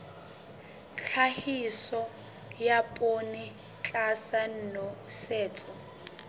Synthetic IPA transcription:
ɬʰahisɔ | japʼonɪ | t͡ɬʼasan̩ːnɔsɛːt͡sʼɔ

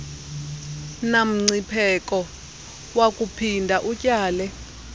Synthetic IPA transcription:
nam̩ŋ͡ǀipʰɛkʼɔ | wakʼupʰindʱaʔucʼaːlɛ

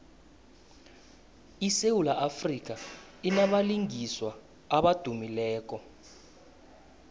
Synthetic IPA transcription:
isewulaʔafrik̬ʼa | inamaliŋiswa | aɓad̥ʱumilɛːk̬ʼɔ

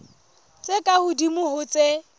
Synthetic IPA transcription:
t͡sʼekʼahʊdimʊhʊt͡sʼe

